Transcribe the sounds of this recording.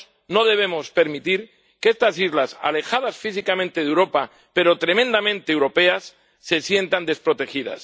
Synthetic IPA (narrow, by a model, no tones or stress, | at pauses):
no̞ð̞e̞β̞emospe̞ɾmit̪iɾ | kest̪asizlasa̰le̞xað̞asfisikamẽnt̪eð̞ewɾo̞pa | pe̞ɾot̪ɾemẽnd̪amẽnt̪eːwɾo̞pe̞asː | e̞sje̞nt̪and̪e̞spɾo̞t̪e̞xið̞a̰s